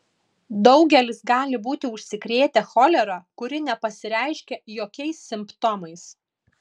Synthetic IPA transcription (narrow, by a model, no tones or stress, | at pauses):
d̪ɒʊɡʲɛlʲɪsɡɑːlʲɪbuːt̪ʲɪʊʃʲsʲɪkɾʲeːt̪ʲɛxɔlʲɛɾokʊɾʲɪnʲɛpɐsʲɪɾʲæˑɪʃʲkʲɛjoːkʲɛɪsːʲɪmpt̪ɔmɐɪs